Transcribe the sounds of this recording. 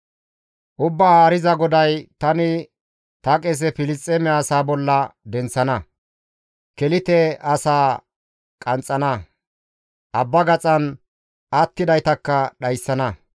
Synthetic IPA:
ʔʊbːɐaːɾɪzɐɡɔd̪ɐjt̪ɐnɪ | t̪ɐkʼɛs̬ɛfɪlɪstʼːemɛːsaːbɔlːɐd̪ɛnt͡sːɐnɐ | kɛlɪt̪ɛɐsaː | kʼɐnt͡sʼːɐnɐ | ʔɐbːɐɡɐt͡sʼɐn | ɐt̪ːɪd̪ɐjt̪ɐkːɐɗɐjsːɐnɐ

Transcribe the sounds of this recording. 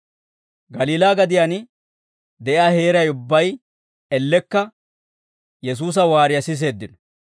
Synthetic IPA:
ɡɐliːlaːɡɐd̪ɪjan | d̪ɛʔjaːhe̞ːɾɐjʊbːɐj | ɛlːɛkːɐ | jɛs̬uːs̬ɐwaːɾɪjɐsɪs̬e̞ːd̪ːɪnɔ

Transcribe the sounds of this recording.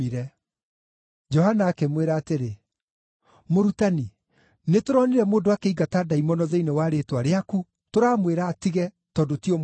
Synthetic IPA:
iɾɛ | d͡ʒɔhanaːkemweɾaːteɾe | moɾutani | netoɾɔniɾɛmoːndoakeiɡataːdaimɔnɔðeinewaːɾetwaɾeaku | toɾaːmweɾaːtiɣɛ | tɔːdotiɔm

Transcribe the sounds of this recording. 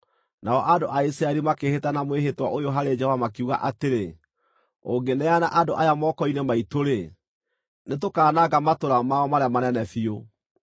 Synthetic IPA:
naɔʔadoʔaisɾaɛɾimakehetanamweɦetwaʔojoɦaɾed͡ʒɛhovamakiuɣa̰ʔateɾe | oŋɡenɛanaʔadoʔajamɔːkɔinɛmaitoɾe | net̬okaːnaɡamatoɾamaɔmaɾamanɛnɛfio

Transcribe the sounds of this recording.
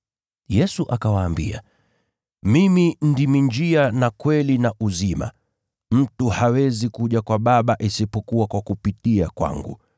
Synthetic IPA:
jɛsuʔakawaːmbḭa̰ | mimindimiɲd͡ʒianakwɛlinaʔuzima̰ | m̩tuhawɛzikuʄakwaɓaɓaʔisipɔkuwakwakupitiakwa̰ŋɡṵ

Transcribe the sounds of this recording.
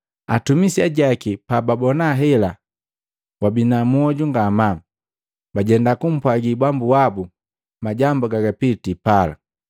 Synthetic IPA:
a̰tumisiaɟakipababɔnaɦɛla | wabinamuɔɟuŋɡama | baɟɛndakum̩pwaɡibambuwabu | maɟambuɡaɡapitipala̰

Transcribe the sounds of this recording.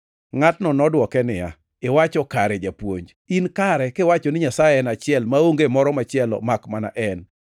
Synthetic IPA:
ŋatnɔnɔdwɔkɛnɪja̰ | ewat͡ʃɔkaɾɛd͡ʒapwo̰ɲd͡ʒ | inkaɾɛkewat͡ʃɔnɪɲasajɛɛnat͡ʃɪɛlmaoŋɡemɔɾɔmat͡ʃɪɛlɔ̰makmana̰ʔɛn

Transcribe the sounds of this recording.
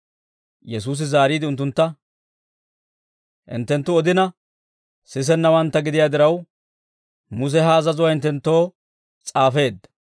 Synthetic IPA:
jɛsuːs̬ɪzaːɾiːd̪ɪʊnt̪ːʊnt̪ːɐ | ʔɪ̰nt̪ːɛnt̪ːʊɔd̪ɪnɐ | sɪs̬ɛnːɐwɐnt̪ːɐɡɪd̪ɪjaːd̪ɪɾɐw | mʊs̬ɛɦɐːzɐzʊwɐɪnt̪ːɛnt̪ːo̞ː | t͡sʼaːfe̞ːd̪ːɐ̥

